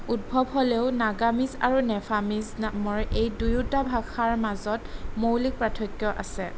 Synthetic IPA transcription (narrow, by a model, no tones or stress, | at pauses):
ut̚bʱɔbɦoleʊnaɡamiza̰ɹunɛpʰamiznamɔɹʔejdujutabʱakʰaɹmazɔtmowlik̚pɹatʰɔkjɔʔa̰sɛ